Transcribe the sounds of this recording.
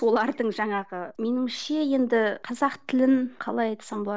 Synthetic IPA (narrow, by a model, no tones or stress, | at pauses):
so̞lˠɑɾd̪əɴʒɑɴɑʁəme̞nɪŋʃeje̞nd̪ɪqʰɑzɑqt̪ʰɪlɪnqʰɑ̰lˠɑjɑjt̪sɑɴbo̞lˠɑ